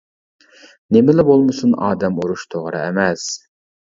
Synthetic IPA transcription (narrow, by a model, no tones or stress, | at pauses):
nemɪlɪbolˠmɨsunɑ̰ːd̪ɛmuɾuʃt̪ʰoʁɾɨ̰ɛmɛs